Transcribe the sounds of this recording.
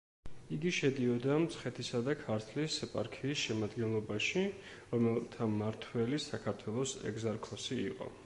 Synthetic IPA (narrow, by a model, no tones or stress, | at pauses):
iɡiʃɛd̪iɔd̪amt̪sʰχɛt̪ʰisad̪akʰaɾt̪ʰlisɛpʼa̰ɾkʰiːsʃɛmad̪ɡɛnlˠɔbaʃi | ɾɔmɛlˠt̪ʰamaɾt̪ʰwɛlisakʰaɾt̪ʰwɛlˠɔsɛ̰ɡzaɾkʰɔsiːqʼɔ̰